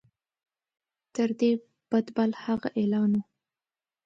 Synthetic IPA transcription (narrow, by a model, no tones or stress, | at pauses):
t̪əɾd̪e | b̥ad̪balhaɣaʔelɑnu